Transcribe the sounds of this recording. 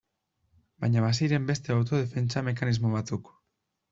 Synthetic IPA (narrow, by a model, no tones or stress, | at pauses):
bajɲaβasiɾe̞mbe̞st̪e̞awt̪o̞ðe̞fe̞nt͡same̞kanizmo̞β̞at͡suk